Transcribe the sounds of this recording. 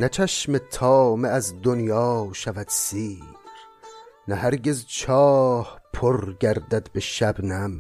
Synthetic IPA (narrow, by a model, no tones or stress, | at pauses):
næt͡ʃʰæʃmet̪ʰɒːmeæzd̪onjɒːʃævæd̪̥siːɾnæhæɾɟezt͡ʃʰɒːhpʰoɾɡæɾd̪æd̪beʃæbnæm